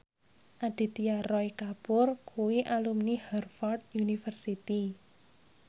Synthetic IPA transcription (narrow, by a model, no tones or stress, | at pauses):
ʔaɖ̪̥i̤t̪iarɔikapʊrkʰuwiʔalumnihɛrfɔrt̪̚junifərsit̪i